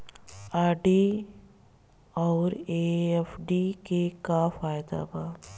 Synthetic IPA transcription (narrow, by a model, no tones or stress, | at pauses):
aːɖi | ɔːɾeɛfɖikekafaːjd̪a̰baː